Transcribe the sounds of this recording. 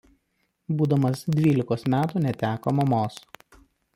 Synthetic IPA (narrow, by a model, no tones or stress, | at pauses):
buːd̪ɐmɐsd̪ʲʋʲiːlʲɪkoːsmʲæːt̪uːnʲɛt̪ʲæːkoːmɐmoːs